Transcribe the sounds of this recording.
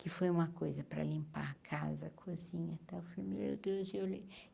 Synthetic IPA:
kɪfojũmɐkojzɐpɾɐ̰lĩmpa̰kʰazɐkʰozĩɲɐt̪awfomḛd̪eʒele

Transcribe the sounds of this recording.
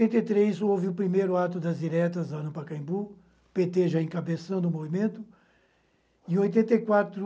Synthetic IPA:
ẽnt̪ɐjt̪ɾejzowvɪʊpɾimejɾʊat̪̬ʊd̪ɐzd͡ʒiɾɛt̪ɐzɐ̃nʊpɐkɐ̃ĩbu | pet̪eʒaẽkabesɐ̃w̃d̪ʊmovimẽnt̪ʊ | ɪ̃ojt̪ẽnt̪ejkwat̪ɾʊ

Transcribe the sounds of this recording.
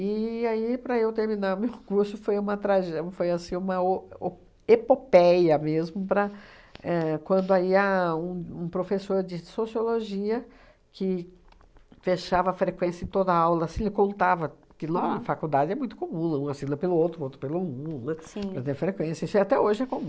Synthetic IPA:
ɪaipɾɐewt̪eɾmĩnaɾʊmewkuɾsʊfojũmɐt̪ɾaʒɛfojasĩũmɐo | epopɛjɐmezmʊpɾɐ | ɛkwɐ̃nd̪ʊaiaũũpɾofesoɾd͡ʒɪsosioloʒiɐ | kʰɪ | feʃavɐfɾekwẽsjɐẽt̪od̪ɐawlɐsɪlɪkõnt̪avɐ | kɪlõnɐfakud̪ad͡ʒɪɛmũj̃t̪ʊ̥komũnɐũasilɐpelʊowt̪ɾʊowt̪ɾʊpelɐlũnɐsĩɛt̪ẽj̃fɾekwẽsjɐisʊiat̪ɛoʒɪɛkõmũ

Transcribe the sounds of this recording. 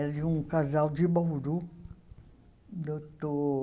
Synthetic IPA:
d͡ʒɪũkazawd͡ʒɪbowɾu | d̪ot̪o

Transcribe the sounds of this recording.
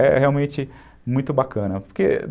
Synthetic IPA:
ɛheawmẽt͡ʃɪ | mũj̃t̪ʊbakɐ̃nɐpoɾke

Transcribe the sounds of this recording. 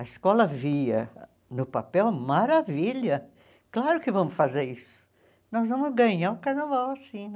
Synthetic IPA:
ɐɪskɔlɐviɐ̰ | nʊpapɛwmaɾaviʎɐ | klaɾʊkɪvɐ̃mʊsfazeɾisʊ̥ | nɔzvɐ̃mʊzɡɐ̃ɲaɾʊkaɾnavawasĩ

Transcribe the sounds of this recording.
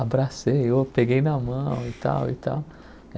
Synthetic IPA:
abɾaseewpeɡejnamɐ̃w̃it̪a̰wḭt̪a̰w

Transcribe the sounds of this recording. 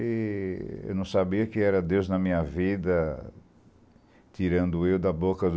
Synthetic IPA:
ɪ | ḛwnɐ̃w̃sabiɐkɪɛɾɐd̪ewznɐmĩɲɐvid̪ɐ | t̪iɾɐ̃nd̪ʊewd̪ɐbokɐd̪

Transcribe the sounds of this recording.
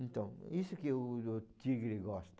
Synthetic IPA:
ẽnt̪ɐ̃w̃isukewut̪iɣɾiɣɔʃt̪

